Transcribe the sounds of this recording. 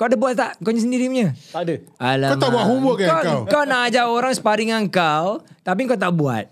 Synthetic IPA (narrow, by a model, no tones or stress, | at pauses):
kawadəbuat̪̚t̪aʔŋkawɲasəndiɾimɲət̪adəalaamt̪abuaʔɦuwəkaawawkawnaʔad͡ʒaoɾaŋsə̥paɾiŋaŋkawt̪ap̬iŋkawt̪aʔbua̰t̪̚